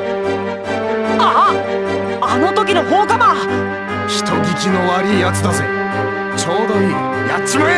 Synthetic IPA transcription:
a | ano̞t̪o̞kʲinoɦoːkama | çi̥t̪o̞ɡʲikʲino̞βaɾʲiːjat͡sɨd̪azɨ | t͡ɕo̞ːd̪o̞ɲi | jat͡ɕːima

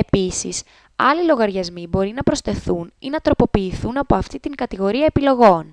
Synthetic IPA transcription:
e̞pisḭs | ɐlilo̞ɣɐɾʝɐzmibo̞ɾinɐpɾo̞st̪e̞θuninɐt̪ɾo̞po̞piːθunɐpo̞ɐft̪it̪iŋɡɐt̪iɣo̞ɾiɐepilo̞ɣo̞n

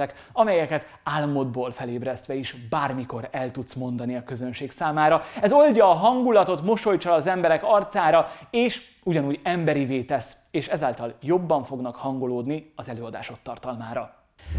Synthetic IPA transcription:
ɛk | ɒmɛjɛkɛt̪ | aːlːɒmo̞d̪̚boːlfɛleːbɾɛst̪ʋɛiʃbaːrmiko̞ɾɛlt̪ut̪smo̞nd̪ɒniɒkø̞zø̞nʃeːksaːmaːɾɒɛzo̞lɟɒːɦɒŋɡulɒt̪o̞t̪mo̞ʃo̞jt͡ʃɒːzɛmbɛɾɛkɒrt̪saːɾɒeːʃ | uɟɒnuːɟɛmbɛɾiveːt̪ɛs | eːʃɛzaːlt̪ɒljo̞bːɒɱfo̞ɡnɒkhɒŋɡo̞loːd̪niɒzɛløːɒd̪a̰ːʃo̞t̪ːɒrt̪ɒlmaːɾɒ

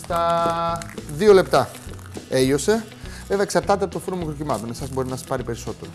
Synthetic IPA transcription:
st̪ɐ | ðio̞le̞pt̪ɐ | e̞ʝo̞se̞ | veðeksɐɾt̪ɐt̪eɐpot̪ofuɾomukɾocimɐt̪nesɐzbo̞ɾinɐsɐ̥spɐɾipe̞ɾiso̞t̪e̞ɾo

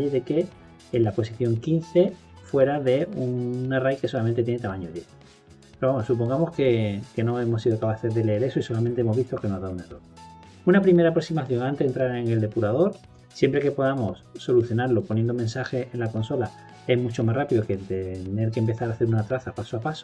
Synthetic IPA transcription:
eðe̞ke̞ː | nlapo̞siθjo̞ŋkin̟θe̞ | fwe̞ɾaðe̞unarajke̞solament̪et̪jenet̪amãɲoðje̞θ | peɾoamo̞sup̬o̞ŋɡamo̞ske̞ke̞no̞e̞mo̞sːiðo̞kapaθe̞zðe̞leeɾe̞soiso̞lamẽnt̪eemo̞zβist̪o̞ke̞noaðaunero̞ɾ | unapɾime̞ɾapɾo̞ksimaθjo̞ŋãnt̪eent̪ɾaɾeŋe̞ld̪e̞puɾað̞o̞ɾ | sje̞mpɾe̞ke̞po̞ðamo̞sːo̞luθjo̞naɾlo̞ponje̞nd̪o̞mensaxe̞enlako̞nso̞la | e̞zmut͡ʃo̞masrapiðoke̞t̪ene̞ɾkempe̞θaɾaθe̞ɾunat̪ɾaθapasoapaso̥

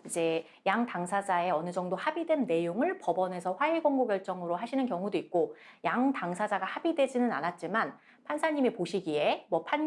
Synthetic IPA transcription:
id͡ʑe̞ | jaŋtaŋsʰad͡ʑae̞ʌnɯd͡ʑʌŋdohabidwe̞nːe̞joŋɯɭpʌbʌne̞sʰʌɸwaɦeɡʌŋɡoɡjʌɭt͡ɕ͈ʌŋɯɾoɦaɕʰinɯnkjʌŋudoik̚k͈ojaŋtaŋsʰad͡ʑaɡahabidwe̞d͡ʑinɯna̰nat̚t͡ɕ͈iman | pʰansʰaɲime̞poɕʰiɡie̞mwʌpʰan

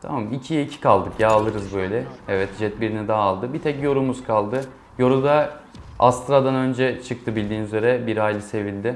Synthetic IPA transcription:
t̪ʰa̰mamicʰijɛicʰi̥kʰalˠd̪ɯkjaalˠɯɾɯzbø̞jlʲɛɛvɛt̪d͡ʒɛt̪̚biɾinid̪aɦːlˠd̪ɯbit̪ʰɛcjo̞ɾumuzkʰalˠd̪ɯ | jo̞ɾud̪a | a̰st̪ʰɾad̪anø̞nd͡ʒɛt͡ʃʰɯk̚t̪ʰɯbilʲd̪iːnyze̞ɾɛbiɾajlʲise̞vilʲd̪ɪ

